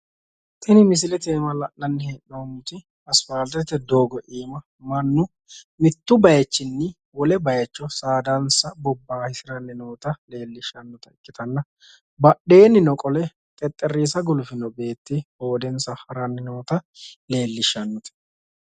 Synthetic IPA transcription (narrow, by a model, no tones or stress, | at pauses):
t̪ɛnɪmɪs̬ɪlɛt̪eːmɐlɐnɐnːɪheʔnoːmʊt̪ɪ | ɐsfaːlt̪ɛt̪ːɛd̪o̞ːɡɔʔiːmɐ | mɐnːʊ | mɪt̪ːʊbɐjɛt͡ʃːɪnːɪ | wɔlɛbɐjɐt͡ʃːɔsaːd̪ɐnsɐbɔbːaːhɪsɪɾɐnːɪno̞ːt̪ɐle̞ːlːɪʃɐnːɔt̪ɐɪkʼːɪt̪ɐnːɐ | bɐɗe̞ːnːɪnɔkʼɔlɛ | kʼɛt̪ʼːɛrːiːsɐɡʊlʊfɪnɔbe̞ːt̪ːɪho̞ːd̪ɛnsɐhɐɾɐnːɪnoːt̪ɐle̞ːlːɪʃɐnːɔt̪ɛ̥